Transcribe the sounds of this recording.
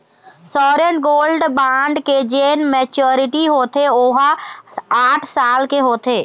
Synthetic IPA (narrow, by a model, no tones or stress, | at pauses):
sɔːɾenɡoːlɖbãːɳɖked͡ʒeːnmeːt͡ʃoːɾɪʈiɦoːt̪eoːɦa | aːʈʰsaːlkeɦoːt̪eː